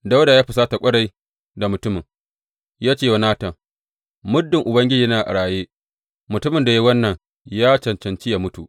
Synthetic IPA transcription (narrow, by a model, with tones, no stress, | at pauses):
da˦wdaː˨jaː˦ɸɪ˨saː˦ta˨kʷʼɐ˦ɽa˨j | da˨mʊ˨tʊ˦mɪ˨ŋ | jaː˦t͡ʃeː˦˨wa˨˦naː˦tɐ˨ | mʊ˦dːɪ˨ŋʔʊ˨bɐ˦ŋɡʲɪ˦d͡ʒiː˦naː˨ʔa̰˨ɽaː˨jeː˦ | mʊ˨tʊ˦mɪ˨nda˨ji˦wɐ˦nːɐ˨ŋ | jaː˦t͡ʃɐ˨nt͡ʃɐ˨nt͡ʃi˦jaː˦mʊ˦tu˨ʔ